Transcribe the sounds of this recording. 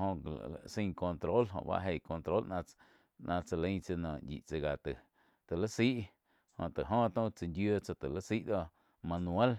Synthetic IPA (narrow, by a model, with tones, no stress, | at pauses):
ɦõ̰˧˨sĩ˧ŋko˧nt̪ɾo˦lɦõ̰˧ʔba̰˦ʔɦe˧˨ko˧nt̪ɾo˦lnã˧ | nã˧t͡sa˧lə̃˧ŋt͡sə˧nãː˨ʔjḭ˨t͡sə˧ɡa˨t̪ə˨ | t̪ə˨lə˦si˦ʔ | hõ̰˧˨ʔt̪ə˨ɦõ˦t̪õ˦t͡sə˧nd̪jo˦˧t͡sa˧t̪ə˨lə˦si˦ʔd̪o˦˧ | mã˧nũ˧e˦l